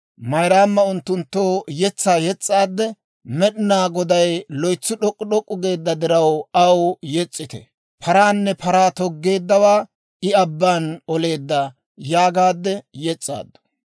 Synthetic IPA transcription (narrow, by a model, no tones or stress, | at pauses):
mɐjɾaːmːɐʊnt̪ːʊnt̪ːoːjɛt͡sːaːjɛt͡sʼːaːd̪ːɛ | mɛɗɪnaːɡɔd̪ɐjlɔjt͡sːʊɗɔkʼːʊɗɔkʼːʊɡe̞ːd̪ːɐd̪ɪɾɐwɐwjɛt͡sʼːɪt̪ɛ̰ | pʰɐɾaːnːɛpʰɐɾaːt̪ɔɡːe̞ːd̪ːɐwaː | ɪɐbːaːnɔle̞ːd̪ːɐ | jaːɡaːd̪ːɛjɛt͡sʼːa̰ːd̪ːɔ̥